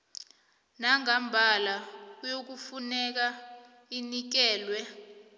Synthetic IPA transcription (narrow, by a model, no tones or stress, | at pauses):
naŋambʱalak̬ujok̬ufunɛk̬a | inik̬ɛːlwɛ